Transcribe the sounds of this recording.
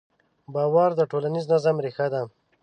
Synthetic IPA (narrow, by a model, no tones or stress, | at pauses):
bɑːwaɾd̪əʈolaniznazamɾexad̪a